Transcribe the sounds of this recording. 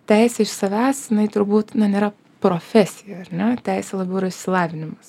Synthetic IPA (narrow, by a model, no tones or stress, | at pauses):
t̪ʲæɪsʲɛɪʃsɐʋʲæːsjɪnɐɪt̪ʊɾbuːt̪nɐnʲeːɾɐ | pɾoːfʲɛsʲɪjɛɐɾnʲɛt̪ʲæɪsʲɛlˠɐbʲɛʊiɾɐɪʃʲsʲɪlˠɑːʋʲɪnʲɪmɐs